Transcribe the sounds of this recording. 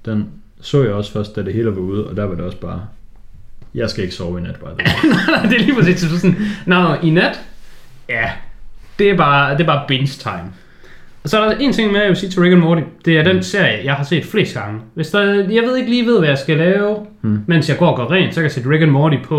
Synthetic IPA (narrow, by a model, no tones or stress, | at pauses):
d̥en | sɔ̰̽ːjɑ̈ɪɒ̽sfɶɐsd̥ːæd̥e̝he̝ːləʋɑuð̞ˠɒ̽d̥æɐʋɑ̈d̥e̝ɒ̽sb̥ɑ̈ː | jɑ̈ɪsɡ̥æe̝ɡ̥ə̥sɒʊʋinæd̥b̥ɑɪd̥naɑɪd̥eliːpʰʁɒsḭːse̥sɔnnɑ̈ʊinæd̥jæd̥e̝æɐb̥ɑ̈ːd̥e̝b̥ɑ̈ːb̥enst͡sʰɑ̈ɪm | ɒ̽sɒ̽ɐɾɑe̝ːnt͡sʰe̝ŋ̰meæʋesiːt͡sʰe̝ʁeɡ̥ənmɒːɾid̥e̝æɐd̥ense̝ɐ̰jəjɑ̈ɪhɑse̝̰ːd̥fle̝̰ːsd̥̚ɡ̥ɑ̈ŋəʋe̝sd̥ɑ̈jɑ̈ʋe̝ð̞ˠeɡəliːʋe̝ð̞̰ˠʋæjɑ̈ɪsɡ̥ælɛːʊmen̰sjɑ̈ɪɡɒ̰ːɒɡ̥ɶɐʁɛ̰ːnsɒkʰæjsḛːd̥ʁeɡ̥ænmɔːɾipʰɒ̽